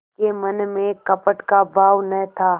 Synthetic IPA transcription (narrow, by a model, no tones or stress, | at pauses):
kemɐnmẽkɐpəʈkabaːʋnɐɦt̪ʰaː